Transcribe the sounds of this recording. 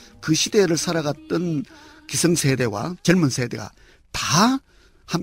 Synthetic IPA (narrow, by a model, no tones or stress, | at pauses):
kɯɕʰideɾɯɭsʰaɾaɣat̚t͈ɯnkisʰɯŋsʰede̞wa̰t͡ɕʌɭmunsʰe̞de̞̰ɡa̰ | ta | ham